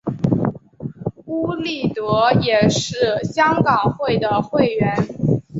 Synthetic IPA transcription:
u˥li˥˩t̪ɤ˧˥jɛ˨˩ʂɻ̩˥˩ɕjɑ˥ŋkɑ˨˩ŋxwe˥˩ɪd̪ə˩xwe˥˩ɪɥɛ˧˥n

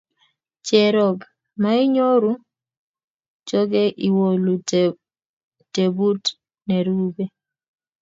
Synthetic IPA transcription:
t͡ʃɛ˨ɾɔ˨ɡ | ma˦ɪ˦ɲo˦ɾu˦ | t͡ʃɔ˦ɡɛ˦ʔi˨wo˨lu˨ | te˨bu˦t | nɛɾu˦be˦

